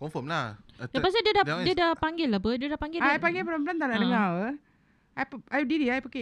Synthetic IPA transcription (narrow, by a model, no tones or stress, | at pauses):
kɔnfɔmladapas̬idiədadiədapaŋɡɪlːapədiədahpaŋɡɪljpaŋɡɪlpəlampəlant̪anaʔdəŋaə | ajpajudidiajpake